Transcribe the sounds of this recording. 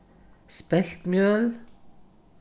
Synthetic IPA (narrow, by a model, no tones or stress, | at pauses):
spɛlt̪mjøːl